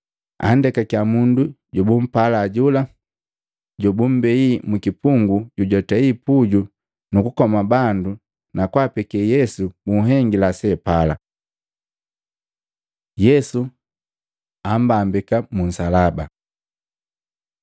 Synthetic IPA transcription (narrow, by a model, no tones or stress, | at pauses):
a̰n̩dɛkakjamundu | ɟɔbum̩palaɟula | ɟɔbum̩bɛimukipuŋɡuɟuɟɔtaipuɟu | nukukɔmabandu | nakwapɛkɛjɛsubuɦɛŋɡilasɛpala | jɛsu | am̩bambikamun̩salaba